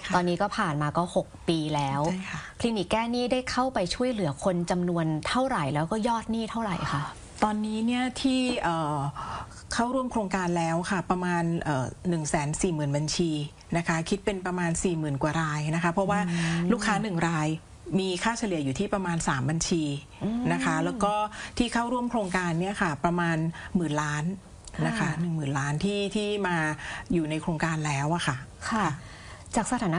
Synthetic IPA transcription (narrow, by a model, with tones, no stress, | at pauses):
t̪ɔː˧nːiː˦˥kɔː˥˩pʰaː˨˩nmaː˧kɔː˥˩ho˨˩k̚piː˧lɛː˦˥wʰkʰli˧ni˨˩kːɛː˥˩niː˥˩daː˥˩jkʰa˥˩wpa˧jt͡ɕʰu˥˩əjlɯ˨˩˦ɐkʰo˧nt͡ɕa˧mnu˧ənt̪ʰa˥˩wɾa˨˩jlɛː˦˥wkɔː˥˩jɔː˥˩t̪̚niː˥˩t̪ʰa˥˩wɾa˨˩jkʰa˥˩ | t̪ɔː˧nːiː˦˥ni˥˩ɐt̪ʰiː˥˩ʔɤː˨˩ | kʰa˥˩wɾu˥əmkʰɾoː˧ŋkaː˧nlɛː˦˥wkʰa˥˩pɾa˧maː˧nʔɤː˨˩ɯ˨˩ŋsɛː˩˦nsiː˨˩mɯː˨˩nba˧nt͡ɕʰiː˧ | na˦˥kʰa˦˥kʰi˦˥t̪̚pe˧npɾa˧maː˧nsiː˨˩mɯː˨˩nkwaː˨˩ɾaː˧jna˦˥kʰa˦˥pʰɾɔ˦˥waː˥˩luː˥˩kʰːaː˦˥nɯ˨˩ŋɾaː˧j | miː˧kʰaː˥˩t͡ɕʰa˧lɯ˩˦juː˨˩t̪ʰiː˥˩pɾa˧maː˧nsaː˩˦mba˧nt͡ɕʰiː˧ | na˦˥kʰa˦˥lɛː˦˥wkɔː˥˩t̪ʰiː˥˩kʰaː˥˩wɾu˥˩əmkʰɾoː˧ŋkaː˧nːi˥˩ɐkʰa˥˩pɾa˧maː˧nmɯː˨˩nlaː˦˥n | na˦˥kʰa˦˥nɯ˨˩ŋmɯː˨˩nlaː˦˥nt̪ʰiː˥˩t̪ʰiː˥˩maː˧juː˨˩na˧jkʰɾoː˧ŋkaː˧nlɛː˦˥wʔa˨˩kʰa˥˩kʰa˥˩ | t͡ɕaː˨˩k̚sa˧t̪ʰaː˨˩˦n˦˥